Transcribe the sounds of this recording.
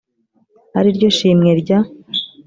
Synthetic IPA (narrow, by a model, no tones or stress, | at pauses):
haɾiɾɟo̞ʃiːmŋeɾɟa